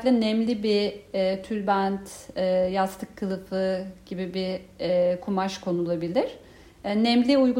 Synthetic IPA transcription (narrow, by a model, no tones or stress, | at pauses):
lʲɛnɛmlʲibiːt̪ʰylʲbænt̪ɛːjast̪ʰɯkʰːɯlˠɯfɯɟ̥ibibiɛkʰumaʃkʰo̞nulˠabilʲiɾ̥ | ɛnɛmlʲiujɡu